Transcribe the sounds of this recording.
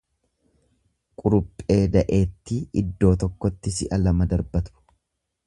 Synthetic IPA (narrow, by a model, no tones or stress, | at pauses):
kʼʊɾʊpʼːe̞ːd̪ɐʔe̞ːt̪ːiɪd̪ːo̞ːt̪ɔkːɔt̪ːɪsɪʔɐlɐmɐd̪ɐɾbɐt̪ʊ̥